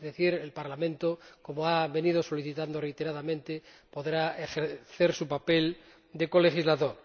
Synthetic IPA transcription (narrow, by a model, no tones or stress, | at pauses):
ðeθiɾelpaɾlamẽnt̪oko̞moaβe̞nið̞o̞so̞liθit̪and̪orejt̪e̞ɾaðamẽnt̪e | po̞ðɾaexeɾθeɾsupapel | d̪e̞ko̞le̞xizlaðoɾ